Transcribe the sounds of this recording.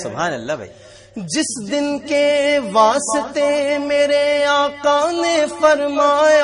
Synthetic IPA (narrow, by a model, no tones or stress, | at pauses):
sʊbaːnɐlːaːbʱa̰i | d͡ʒɪsd̪ɪnkeʋaːsɪt̪emeːɾeaːkaːnefɐɾmaːj